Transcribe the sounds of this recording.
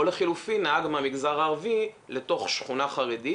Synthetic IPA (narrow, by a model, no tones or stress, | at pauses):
oleχilufinaaɡmeamiɡzaʁaːʁvile̞to̞χʃχunaχaʁedi